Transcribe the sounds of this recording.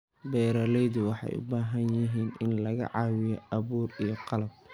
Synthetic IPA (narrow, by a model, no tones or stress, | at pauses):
bɛːɾɐlɛjðʊwɑħɑ̰jʔʊ̰baːɦɐnjɪɦiːnɪnlɐɣɐ̰ʕɑːwɪjɔʔɐβuːrijɞqɑlɐb̚